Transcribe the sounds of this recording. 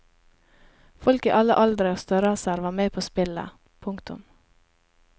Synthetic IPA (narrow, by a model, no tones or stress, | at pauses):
fɔlkiːʔɑləʔɑld̪ɾəoːst̪œɾɑsəɾʋɑːmeːpʰoːspɪlə̰ | pʰʊŋkt̪ʊ̰m